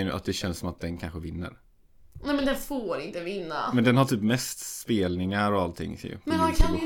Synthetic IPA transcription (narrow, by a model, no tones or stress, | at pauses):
nɵ̰ʔa̰t̪̚d̪ɛɕɛnsɔmat̪̚d̪ɛnkʰanɧəvɪnːə̰ɾ | nɛmɛnd̪ɛnfoːɾɪnt̪əvɪnːa̰mɛnd̪ɛnhaʈ̪ʰyːpmɛst̪speːlnɪŋaɾɔalt̪ʰɪ̰ŋːsɛ̰j̰ɛakʰ